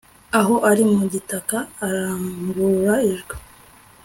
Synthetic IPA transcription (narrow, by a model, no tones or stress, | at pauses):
aɦo̞ʔaɾimuɟitakaːɾaːŋɡuɾɾaiʒɡo̥